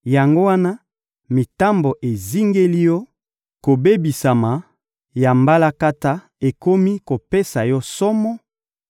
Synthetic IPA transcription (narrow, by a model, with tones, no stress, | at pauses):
ja˨ŋɡo˦wa˦na˦ | mi˨ta˦mbo˨ʔe˨zi˦ŋɡe˦li˦jɔ˦ | ko˨be˦bi˨sa˨ma˨ | ja˨mba˦la˦ka˦ta˦ | e˨ko˦mi˦ko˨pe˦sa˨jɔ˦sɔ˦mɔ˦